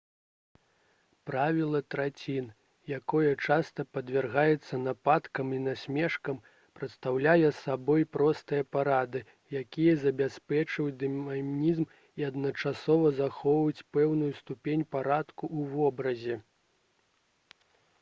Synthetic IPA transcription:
pɾavʲilˠɐt̪ɾat͡sʲin | jakɔjɐt͡ʂast̪ɐpɐd̪vʲɛrɣajɛt̪sːɐnapat̪kɐminasʲmʲɛʂkɐm | pɾɐt̪st̪awlʲajɛsabɔjpɾɔst̪ɨjɐpaɾad̪ɨ | jakʲijɐzɐbʲaspʲɛt͡ʂɐd̪ɨmamʲnʲizm | iɐd̪nɐt͡ʂasɔvɐzaxɔvɐjut͡sʲpɛwnujust̪upʲenʲpaɾat̪kuʔuvɔbɾɐzʲɛ

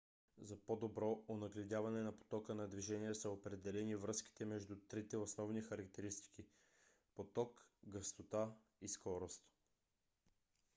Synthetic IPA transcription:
zɐpod̪obɾɔonɐɡlɛd̪javɐnɛnɐpo̥t̪ɔkənɐd̪viʒɛnijɛsɐopɾɛd̪ɛlɛnivɾɤski̥t̪ɛmɛʒd̪ut̪ɾit̪ɛosnɔvnixɐɾɐk̚t̪ɛɾist̪i̥ki | pot̪ɔkɡəst̪ot̪a | iskɔɾost̪

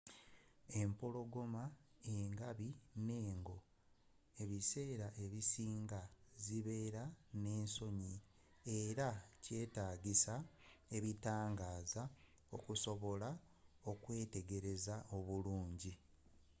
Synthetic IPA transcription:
e̞mpo̞lo̞ɡo̞maeŋɡaβine̞ːŋɡo̞ | e̞βise̞ːɾaʔe̞βisiːŋɡaziβeːɾane̞ːnso̞ɲi | eɾace̞ːtaːɟisae̞βitaːŋɡaːza | okuso̞βo̞la | o̞kwe̞ːte̞ɡe̞ɾe̞zao̞βuluːɲɟi

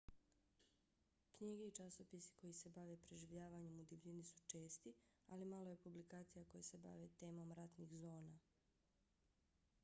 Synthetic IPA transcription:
kɲiːɡe̞it͡ʃaso̞pisi̥ko̞jise̞baʋe̞pɾeʒiʋʎaːʋaɲe̞mud̪iʋʎinisu̥t͡ʃe̞ːst̪i | alimalo̞je̞publikaːt̪sijako̞jese̞ba̰ʋe̞t̪e̞ːmo̞mɾat̪nixzo̞ːna

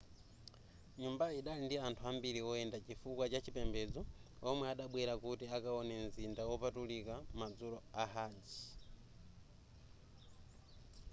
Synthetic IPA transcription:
ɲumbaiɗalindiantʰuambiɾiɔɛndat͡ʃifukwat͡ʃat͡ʃʰipɛmbɛd͡zɔɔmwɛaɗaɓwɛɾakutiakaɔnɛn̩zindawɔpatulikamad͡zuɾɔaɦaːnd͡ʒi

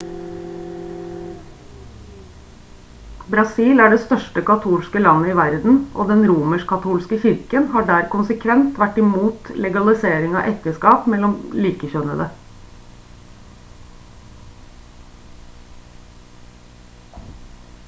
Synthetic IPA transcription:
bɾɑsiːlæːɖeːst̪œʂʈəkɑt̪ʰuːlskəlɑnːəɪːʋæɾd̪n̩ʔo̰ːd̪ɛnɾuːməʂkʰɑt̪ʰuːlskəçɪɾkənhɑːɖæːɾkʊnsəkʰʋɛnt̪ʋæʈːɪmuːt̪lɛɡɑlɪseːɾɪŋɑ̰ːʔɛk̚t̪əskɑːpmɛlːɔmliːkəçœnəd̪ə

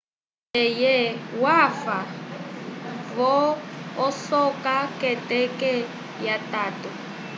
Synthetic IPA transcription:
ɛjɛwafa | vɔː | sɔkʼakʼɛtʼɛkɛ | jatʼaːtʼɔ

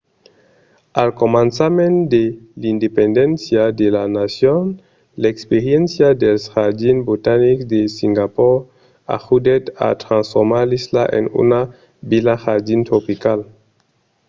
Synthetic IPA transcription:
alkomãnsamẽnd̪elind̪epend̪ẽnsjad̪elanasjon | lekspeɾjensjad̪elsxaɾdinbut̪aniksd̪esiŋɡapɔɾ | a̰xud̪et̪a̰t̪ɾãnsfoɾmaɾlislaʔḛnṵna | bilaxad̪int̪ɾopikal

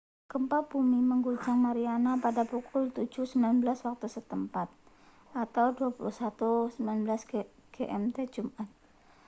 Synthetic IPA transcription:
kəmpabumiməŋɡud͡ʒaŋmaɾianapadapukʰʊlt̪ud͡ʒusəmbilanbəlaswak̚t̪usət̪əmpat̪̚ | ʔat̪awduapuluhsat̪usəmbilanbəlasɡɡ̥eʔɛmt̪ed͡ʒumat̪̚

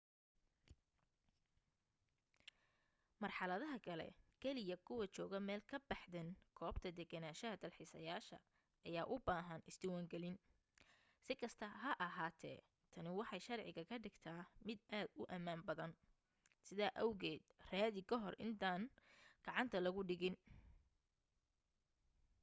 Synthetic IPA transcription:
mɐrħɑlɐðɐɦɐkʰɐlɛ̰kʰɛlɪjɐkʰʊwɐt͡ʃɔːɣɐmɛːlkʰɐbɑħðɛnkʰɔːbt̪ʰɐd̪ɛɡɐnaːʃɐɦɐd̪ɐlħiːsɐ̰jaːʃɐ̰ | ʔɐjaːʔʊbaːɦɐnɪsd̪ɪwaːŋɡɛlɪn | sɪkʰɐst̪ʰɐɦɐʔɐɦaːt̪ʰɛ̰ː | t̪ʰɐnɪwɑħɑjʃɐrʕɪɣɐkʰɐɖɪɡt̪ʰaːmɪd̪ʔaːd̪ʊʔɐmaːmbɐðɐn | sɪðaːʔɐwɣɛːd̪̥raːðɪkʰɐɦɔrʔɪnt̪ʰaːnɡ̥ɑʕɑnt̪ʰɐlɐɣʊɖɪɣɪn

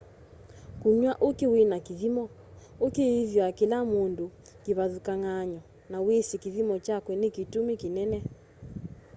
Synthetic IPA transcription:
kuɲwaʔokiwenakiðimɔ | okiiðjakilamundu | kiβaðukaŋaɲɔ | nawesikiðimɔt͡ʃakwɛnekitumikinɛnɛ

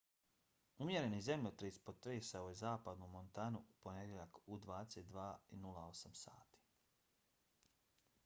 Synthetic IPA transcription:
umje̞ɾe̞nizemʎot̪ɾespot̪ɾeːsaojezaːpad̪numo̞nt̪anuupo̞ned̪jeʎakud̪ʋaːd̪eset̪̚d̪ʋaːinulˠao̞samsa̰ːt̪i̥ː

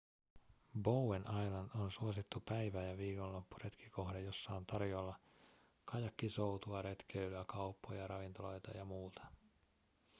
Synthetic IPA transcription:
bowenɑjlɑndonsuosit̪ːupæjʋæjɑʋiːko̞nllo̞pːure̞t̪kʰi̥ko̞hdejo̞sːɑont̪ɑrjo̞lːɑ | kɑjɑkːiso̞wt̪uɑɾe̞t̪k̟eylyækɑupːojɑɾɑʋint̪o̞lo̞jt̪ɑ̰jɑmuːt̪ʰɑ̥

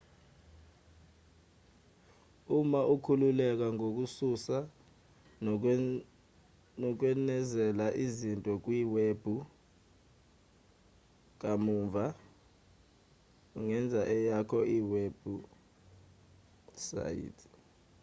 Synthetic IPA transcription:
umaʔukʰululɛk̬aŋok̬ususa | nɔk̬wɛnɛzɛlaʔizintʼɔk̬wiːweb̥ʱu | k̬amuːɱvʱa | uŋɛnd͡zʱaʔɛjakʰɔʔiweb̥ʱu | sa̰jḭtʰ

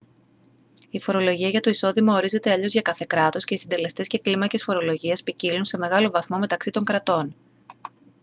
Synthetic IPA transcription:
ifo̞ɾo̞lo̞ʝiɐʝɐt̪o̞iso̞ðimɐoɾize̞t̪e̞ɐʎo̞zʝɐkɐθe̞kɾɐt̪o̞sce̞isind̪e̞le̞st̪e̞sce̞klimɐce̞sfo̞ɾo̞lo̞ʝiespicilunse̞me̞ɣɐlo̞vɐθmo̞me̞t̪ɐksit̪o̞ŋkɾɐt̪o̞n

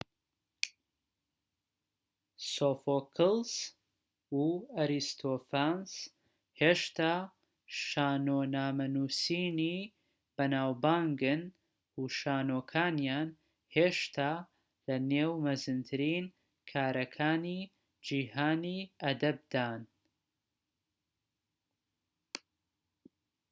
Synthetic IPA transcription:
sofoːkʰɨlˠs | uɐɾist̪ʰofans | heːʃt̪aː | ʃaːnoːnaːmɐnuːsiːni | b̥ɐnaːwbaːŋɡɨn | uʃaːnoːkʰaːnjaːn | heːʃt̪ʰaː | lɐneːwmɐzɨnt̪ʰɨɾiːn | kʰaːɾɐkʰaːni | d͡ʒiːhaːniɐd̪ɐb̚d̪aːn

